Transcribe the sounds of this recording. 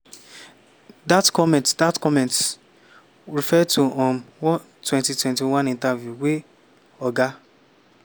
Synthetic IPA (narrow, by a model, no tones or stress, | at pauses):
datkɔmɛ̃tdatkɔmɛ̃nt | ɾifɛtʰuʔɔ̃mwɔ | twɛ̃ntitwɛ̃ntiwãnĩntavjuwe | ɔɡa